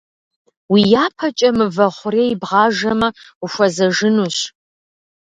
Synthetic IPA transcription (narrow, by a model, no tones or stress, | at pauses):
wijaːpʰɐt͡ʃʼɐmɨvɐʁʷʊreːibʁɑːʒɐmɐ | uʃʷɐzɐʒɨnuːɕ